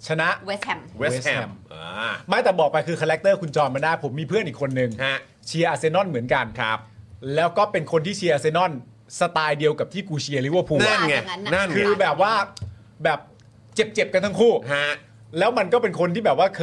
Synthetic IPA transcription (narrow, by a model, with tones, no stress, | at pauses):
t͡ɕʰa˧na˦˥ʔwme˦˥eː˦˥˧ɛ˧mʔːma˥˩jt̪ɛː˨˩bɔː˨˩k̚pa˧jkʰɯː˧kʰaː˧ɾɛ˦˥k̚t̪ɤː˥˩kʰu˧nt͡ɕɔː˧nmaː˧daː˥˩pʰo˩˦mːiː˧pʰɯ˥˩ənʔiː˨˩kʰo˧nːɯ˨˧ŋha˦˥ | t͡ɕʰi˧ɐʔaː˧seː˧nɔ˥˩nmɯ˩˦ənka˧nkʰa˦p̚lɛː˦˥wkɔː˥˩pe˧nkʰo˧nt̪ʰiː˥˩t͡ɕʰi˧ɐʔaː˧seː˧nɔ˥˩n | sa˧t̪aː˧jdi˧əwka˨˩p̚t̪ʰiː˥˩kuː˧t͡ɕʰi˧ɐli˦ʔə˨pʰuː˧a˥˩nŋ˧˩na˥˩nkʰɯː˧bɛː˨˩p̚waː˥˩ | bɛː˨˩p̚ | t͡ɕe˨˩p̚t͡ɕe˨˩p̚ka˧nt̪ʰa˥ŋkʰuː˥˩ha˦˥ | lɛː˦˥wma˧nkɔː˥˩pe˧nkʰo˧nt̪ʰiː˥˩bɛː˨˩p̚waː˥˩kʰː